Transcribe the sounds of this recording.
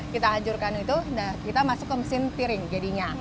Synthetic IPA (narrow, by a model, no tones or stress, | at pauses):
kit̪aɦaɲd͡ʒʊrkanit̪udakit̪amasʊkːəməsɪnt̪iɾɪŋd͡ʒadiɲa